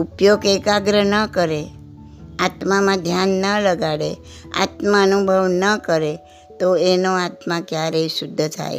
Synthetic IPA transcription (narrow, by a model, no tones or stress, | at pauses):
upjoɡekaɡɾənəkəɾe | at̪mamãd̪ʱjanːələɡaɽe | a̰t̪maənubʱəʋnəkəɾe | t̪oenoat̪mãkjaɾəjsud̪ʱːəd͡za̰ḛ